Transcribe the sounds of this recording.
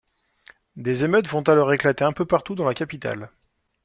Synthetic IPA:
d̪ezemœt̪vɔ̃t̪alɔʁeklat̪eɛ̃pøpaʁt̪ud̪ɑ̃lakapit̪a̰l

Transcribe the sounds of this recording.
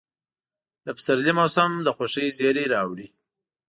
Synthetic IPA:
d̪əpsaɾlimosamd̪əxoʃəjzeɾeɾɑwɽi

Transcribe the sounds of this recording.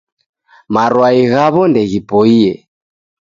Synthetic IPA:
maɾwaiɣaβɔndɛɣipɔiɛ

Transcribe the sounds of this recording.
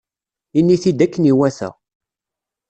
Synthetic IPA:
inːiθid̪ækːəniwæθæ̰

